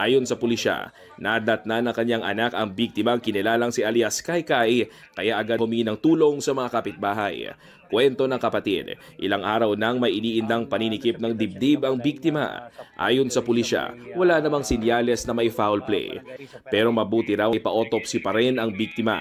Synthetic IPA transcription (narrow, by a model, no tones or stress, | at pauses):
ʔaːjo̞nsɐpʊliʃa̰ | nad̪ɐt̪̚nanɐŋkɐɲaŋʔɐ̰nakɐŋbik̚t̪ɪmɐŋkɪnɪlaːlɐŋsɪʔaljaskajkaj | kɐjaʔɐɡahʊmiinɐŋt̪uːlo̞ŋsɐmɐŋakɐpɪt̪̚baːɦɐj | kwɛnt̪o̞nɐŋkɐpɐt̪ḭd̪̚ʔɪ̰laŋʔaːɾɐwnɐŋmɐjʔɪniːʔɪnd̪ɐŋpɐninɪkip̚nɐŋd̪ɪb̚d̪ibɐŋbik̚t̪ɪmɐ̰ʔa̰ːjo̞nsɐpʊliʃa̰wɐlanɐmaŋsɪnjalɛsnɐmɐjfawlplɛ̰jpɛːɾo̞mɐbuːt̪ɪɾawjpɐʔo̞ːt̪o̞p̚sɪpɐɾɛnɐŋbik̚t̪ɪmɐ̰